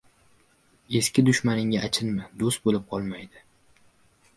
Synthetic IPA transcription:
e̞skʲɪd̪ʊʃmanɪŋʲaʔːt͡ʃʰɪnmɪd̪ost̪̚bolɪp̚qʰɒlˠmajd̪ɪ

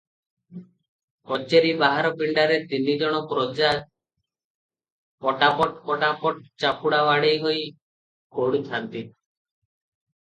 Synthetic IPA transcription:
kɔt͡ʃeɾibaɦaɾɔpiɳɖaɾet̪inid͡ʒɔɽ̃ɔpɾod͡ʒa | pɔʈapɔʈpɔʈapɔʈ̚t͡ʃapuɽawaɽejɦoj | koɽut̪ʰant̪i

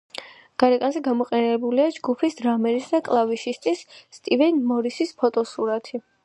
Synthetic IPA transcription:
ɡ̥aɾɛkʼanzɛɡamɔqʼɛnɛbuliad͡ʒɡupʰisd̪ɾamɛɾisd̪akʼlˠaviʃist̪ʼisːt̪ʼivɛnmɔɾisispʰɔt̪ʼɔsuɾat̪ʰi

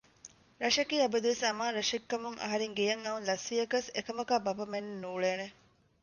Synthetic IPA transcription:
ɾɐʂɐkiːɐbɐd̪uʋesɐmaːɾɐʂikːɐmuŋʔɐ̰ɦɐɾeŋɡijɐŋɐunlɐsʋijɐkɐsekɐmɐkaːbɐpɐmenːenuːɭeːne

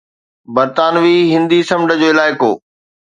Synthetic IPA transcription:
bɐɾt̪aːnʋiːɦɪ̃nd̪isɐmɖəd͡ʑoːɪlaːɪko̰ː

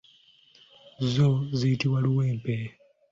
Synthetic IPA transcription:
zoziitiwaluweːmpe

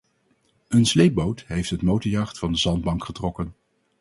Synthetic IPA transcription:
ənslejp̚bowtɦejftɦətmowtəjɑχtfɑndəzɑnd̚bɑŋkχətrɔkən

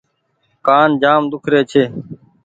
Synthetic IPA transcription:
kaːnd͡ʒaːmd̪ʊkʰɾeːt͡ʃʰeː

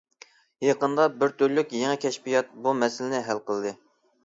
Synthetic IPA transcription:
jɑqənd̪ɑbɪɾt̪ʰøɾlykʲjeŋɛkʲʰɛʃpijɑt̪̚bumɛsɪlɪnɪɦælqəlˠɨd̪ɨ

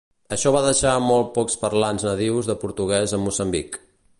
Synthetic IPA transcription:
əʃɔβaðəʃamɔlˠt̪̚pɔkspərlanznəðiwzðəpuɾt̪uɣ̞ɛzəmusəmbik

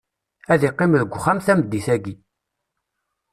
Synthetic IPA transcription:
æðiqːimðəɡʷːχæmθæmd̪ːiθæɡi

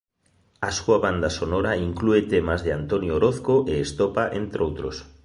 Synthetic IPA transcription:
asuaβand̪asonoɾaiŋkluet̪emazðeant̪onjoɾoθkoʔeːst̪opaʔent̪ɾʔowt̪ɾos

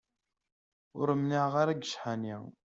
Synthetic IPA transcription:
ʊɾəmniʕʁaɾaɡəʃħani

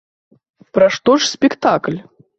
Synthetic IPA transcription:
pɾaʂt̪ɔʂsʲpʲikt̪aklʲ

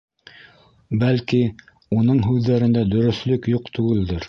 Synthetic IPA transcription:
bælki | unɤɴɦʉðːæɾɘ̆nd̪æd̪ɵ̆ɾɵ̆θlɵkjuqt̪ʉɡɘ̆ld̪ɘɾ

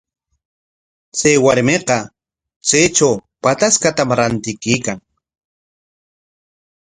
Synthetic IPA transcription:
t͡sajwaɾmeqɑ | t͡sejt͡ʃawpat̪askat̪amɾant̪ɪkiːkaŋ

